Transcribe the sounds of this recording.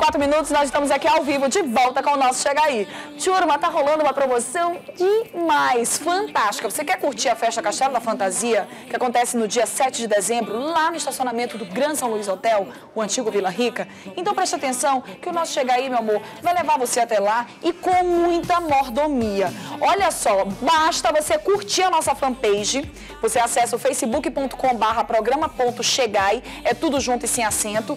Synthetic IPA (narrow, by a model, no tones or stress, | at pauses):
kwat̪ɾʊmĩnut̪ʊsnɔzɪʃt̪ɐ̃mʊzakiawvivʊd͡ʒɪvɔwt̪ɐkõʊnɔsʊ̥ʃeɡai | t͡ʃioɾumɐ̃t̪aɦolɐ̃nd̪ʊũmɐpɾomosɐ̃w̃d͡ʒɪmajsfɐ̃nt̪ast͡ʃɪ̥kɐvosekɛkuɾt͡ʃiɾɐfɛʃt̪ɐkaʃt̪ɛlɐd̪ɐfɐ̃nt̪aziɐ | kɪakõnt̪ɛsɪnʊd͡ʒiɐsɛt͡ʃɪd͡ʒɪd̪ezẽmbɾʊlanʊɪʃt̪asionamẽnt̪ʊd̪ʊɡɾɐ̃sɐ̃w̃luizot̪ɛw | ʊɐ̃nt͡ʃiɡʊvilɐɦikɐ | ẽnt̪ɐ̃w̃pɾɛʃt̪ɐat̪ẽsɐ̃w̃kɪʊnɔsʊ̥ʃeɡajimewamoɾ | vajlevaɾvoseat̪ɛla | ɪkõmũj̃t̪ɐmoɾd̪omiɐɔʎɐsɔbaʃt̪ɐvosekuɾt͡ʃiɾɐnɔsɐfɐ̃pejʒɪ | voseasɛsɐʊfejsɪbukɪpõnt̪ʊ̥kõbaɦɐpɾɔɡɾɐ̃mɐpõnt̪ʊʃeɡaj | ɛt̪ud̪ʊʒũnt̪ʊɪsẽj̃asẽnt̪ʊ